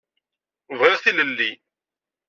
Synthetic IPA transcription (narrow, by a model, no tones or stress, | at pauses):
vʁɪʁθiləlːi